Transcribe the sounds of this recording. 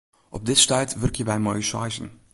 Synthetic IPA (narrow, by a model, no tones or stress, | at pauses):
ʔɔb̚dɪtstœɥtʋɵrkjəbɛjmojsɑjzə̰n